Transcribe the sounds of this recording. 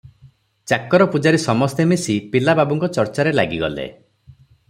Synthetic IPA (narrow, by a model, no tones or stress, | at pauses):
t͡ʃakɔɾɔpud͡ʒaɾisɔmɔst̪emesipilababuŋkɔt͡ʃɔɾt͡ʃaɾelaɡiɡɔ̰lḛ